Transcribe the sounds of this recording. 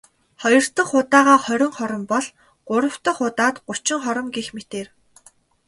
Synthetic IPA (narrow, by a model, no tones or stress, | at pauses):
χɔjɞ̆r̥t̪ə̆χʊt̪aːʁaːχœɾʲɪ̆ŋχɔɾɞ̆mpɔɮ | ɢ̥ʊɾə̆w̥t̪ə̆χʊt̪aːt̪ɢʊ̥t͡ɕɪ̆ŋχɔɾɞ̆mɡixmet̪eːr